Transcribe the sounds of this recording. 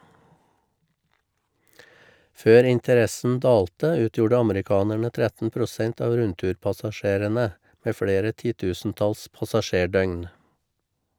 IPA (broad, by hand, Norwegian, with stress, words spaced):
ˈføːɾ ˌɪntəˈɾɛsn̩ ˈdɑːltə ˈʉːtjuːɖə ˈɑmɾɪˌkɑːnæɳə ˈtɾɛtn̩ pɾʊˈsɛnt ˈɑːʋ ˈɾʉntʉːɾpɑsɑˌʃeːɾənə ˈmeː ˈfɽeːɾə ˈtiːˌtʉːsn̩ˌtɑls pɑsɑˈʃeːˌɖœʏn